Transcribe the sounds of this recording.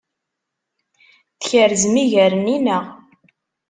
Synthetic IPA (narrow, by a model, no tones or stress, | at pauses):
θəçəɾzmiʝæɾəninəʁ